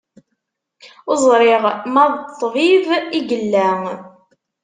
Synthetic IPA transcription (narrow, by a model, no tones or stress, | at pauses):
ʊzˤɾɪʁmæðˤt̪ːviviɡəlːæŋ